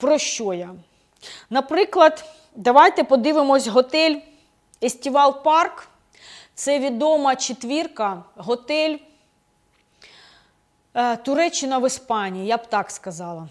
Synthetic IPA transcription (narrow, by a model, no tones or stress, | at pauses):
pɾɔʃt͡ʃɔjɐ | nɐpɾɪklˠɐd̪ | d̪ɐʋɑjt̪ɛpɔd̪ɪʋɪmɔsʲɦɔt̪ɛlʲ | esʲtʲiʋɑlˠpɑrk | t̪sɛʋʲid̪ɔmɐt͡ʃet̪ʋʲirkɐɦɔt̪ɛlʲ | t̪ʊɾɛt͡ʃːɪnɐʋɪspɑnʲijijabt̪ɑkskɐzɑlˠɐ